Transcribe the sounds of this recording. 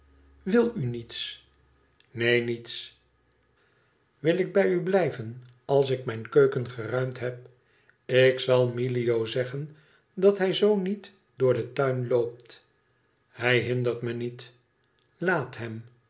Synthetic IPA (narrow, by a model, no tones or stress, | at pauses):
ʋɪlˠynits | nejnits | ʋɪlɪɡ̚bɛjyblɛjvən | ɑlˠs̬ɪkmɛjnkøɥkənχərœɥmtɦɛp̚ | ɪksɑlˠmilijowzɛχən | dɑtɦɛjzownit | d̥ʊːɹdətœɥnlowp̚t | hɛjɦɪnd̪əɹtmənit | laːtɦɛm